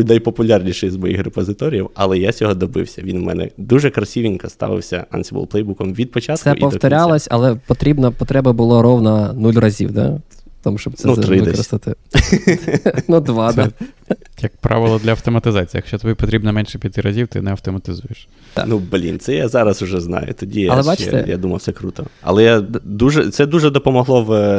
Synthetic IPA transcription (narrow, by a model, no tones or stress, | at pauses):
utʲnɐjpɔpʊlʲarnʲiʃɛjzmɔjḭxrepɔzɪt̪ɔɾʲjiwɐlˠɛjat͡sʲɔɦɔd̪ɔbɪ̰wsʲɐʋʲinmɛ̰nɛ̰d̪uʒɛkɾɐsʲiʋʲinʲkɐst̪ɑ̰ʋɪ̰wsʲɐɐ̰nʲsʲibṵlˠplˠɛjbukɔmʋʲid̪̚pɔt͡ʃatsk̪ɛʊʔpɔft̪ɔɾʲalˠɐsʲɐ̰lˠɛpɔt̪ɾʲibnɐpɔt̪ɾɛbɐbʊlˠɔɾɔwnɐnulʲrɐzʲḭwd̪a̰t̪ɔmʊʃt͡ʃɔb̪snɛut̪ɾɪd̪ɛɾst̪ɐt̪ɪ | nud̪ʋɑd̪a | jɐk̚pɾɑ̰ʋɪlˠɔd̪lʲɐɐwt̪ɔmɐt̪ɪzɑt͡sʲijːjɐkʃt͡ʃɔt̪ɔbʲipɔt̪ɾʲibnɐmɛnʃɛpʲjɐt̪ɪɾɐzʲiwt̪ɪ̰nɛɐwt̪ɔmɐt̪ɪzujeʃ | t̪a̰nublʲḭnt̪sɛjazɑɾɐsʊʒɛznɑ̰jʊ̰t̪ɔdʲijɛɐlˠɛbat͡ʃɛ̰t̪ɛ̰ja̰d̪umɐwsɛkɾut̪ɔɐ̰lˠɛjad̪uʒɛ̰t̪sɛd̪uʒɛd̪ɔpɔmɔɦlˠɔw